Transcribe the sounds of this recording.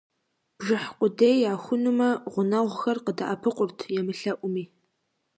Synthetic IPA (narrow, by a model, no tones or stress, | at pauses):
b̥ʐɨħqʷʼʊdejaːxʷʊnumɐʁʷʊnɐʁʷxɐrqədaʔapʰɨqʷʼʊrtʰjɛmɨɬɐʔʷʊmiː